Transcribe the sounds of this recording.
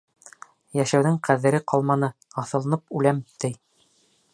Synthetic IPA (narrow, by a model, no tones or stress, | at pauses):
jæʃæwðɘɴqʰæðɘ̆ɾɘqʰɑlˠmɑnɤɑθɤ̆lˠɤ̆nɤpʉlæmt̪ɘj